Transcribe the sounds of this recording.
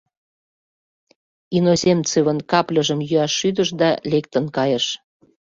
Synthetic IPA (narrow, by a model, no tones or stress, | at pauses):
inozemt͡seβə̆nkɑplʲəʒəmjyɑʃːyd̪əʃd̪ɑlekt̪ənkɑjə̆ʃ